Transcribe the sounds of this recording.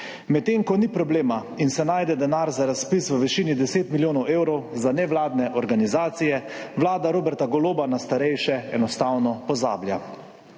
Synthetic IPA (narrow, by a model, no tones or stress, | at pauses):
mɛt̪ːeːŋkɔnipɾɔbleːma | insɛnaːjd̪ɛd̪ɛnaɾzaɾaspisʋəʋɛʃiːnid̪ɛseːt̪miljoːnɔweːwɾɔwzanɛʋlaːd̪nɛʔɔɾɡanizaːt̪sijɛ | ʋlaːd̪aɾoːbɛɾt̪aɡɔloːbanast̪aɾɛjʃɛɛnɔst̪awnɔpɔza̰ːblja̰